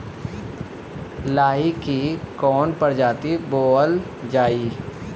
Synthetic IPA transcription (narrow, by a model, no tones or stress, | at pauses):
laːɦikikɔːnpəɾd͡ʒaːt̪iboːl | d͡ʒaːiː